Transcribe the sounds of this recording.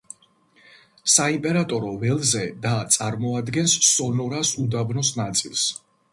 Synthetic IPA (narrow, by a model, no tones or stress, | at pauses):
saimpʼɛɾat̪ʼɔɾɔvɛlˠzɛd̪at̪sʼaɾmɔad̪ɡɛnsːɔnɔɾasud̪abnɔsnat̪sʼilˠs